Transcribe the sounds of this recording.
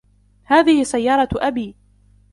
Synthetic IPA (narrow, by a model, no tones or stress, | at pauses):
haːðɪhɪsajːɑːɾˤɑʔabiː